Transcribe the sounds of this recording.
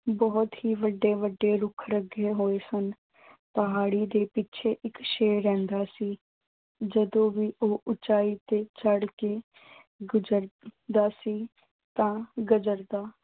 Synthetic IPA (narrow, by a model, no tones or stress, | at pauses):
bɔːt̪ɦiːʋəɖːeːʋəɖːeːɾʊkʰɾəɡeːɦoːeːsən | pəɦaːɽiːd̪eːpɪt͡ʃʰeːʔɪkʃeːɾɛ̃ːnd̪aːsiː | d͡ʒəd̪õːʋiːʔoːʔʊt͡ʃaːiːt̪eːt͡ʃəɽkeː | ɡd͡ʒəɾd̪aːsiː | t̪ãːɡəd͡ʒəɾd̪aː